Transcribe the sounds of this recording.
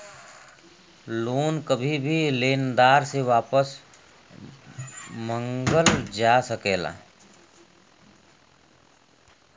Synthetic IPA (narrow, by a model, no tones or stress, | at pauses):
loːnkəbʱibʱileːnd̪aːɾseʋaːpəs | mə̃ŋɡəld͡ʒaːsəkeːla̰ː